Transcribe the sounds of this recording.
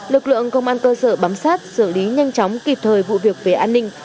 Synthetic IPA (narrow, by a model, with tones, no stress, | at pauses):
lɨ˨˩k̚lɨ̰˧˨əŋkə˧wŋ͡mʔaː˧nkəː˧səː˧˩ɓaː˨˦msaː˦˥t̚sɨ˧˩əli˨˦ɲa˧jŋ̟t͡ɕɔ˨˦wŋ͡mki˨˩p̚t̪ʰəː˨˩jvṵ˧˨vi˨˩ək̚ve˨˩ʔaː˧nːï˧ŋ̟